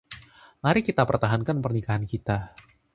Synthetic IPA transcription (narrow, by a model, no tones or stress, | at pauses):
ŋaɾikit̪apərt̪aɦankanpərnikaɦankit̪a